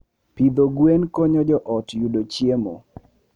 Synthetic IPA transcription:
pid̪oɡwenkɔɲɔd͡ʒɔʔɔtjudot͡ʃjemo̰

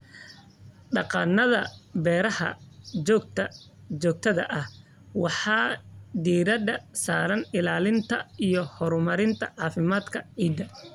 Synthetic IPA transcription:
ɖɑqɑ̰ːnːɐðɐbɛːɾɐhɐ̰ɔɡt̪ | d͡ʒɔːk̚t̪ʰɐðɐʔɐh | wɑħɑːd̪iːɾɐd̪ɐsaːɾɐnɪlaːlɪnt̪ʰɐijɔhɔɾmɐɾɪnt̪ʰɐ̰ʕɑːfɪmaːd̪kʰɐʕiːd̪ɐ

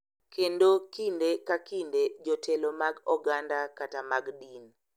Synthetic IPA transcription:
kʰendokindekakinded͡ʒotʰelomaɡɔɡandakatamaɡdin

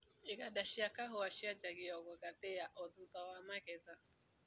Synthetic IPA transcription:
ɪɡadaʃiakaɦʊaʃiad͡ʒaɡɪɔɡɔɡatejaʔɔdʊtawamakɛta

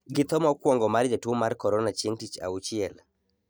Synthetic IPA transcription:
ɡɪt̪ɔmɔkwɔŋɡɔmard͡ʒatwomarkɔɾɔnat͡ʃeŋtit͡ʃa̰ut͡ʃɪɛl

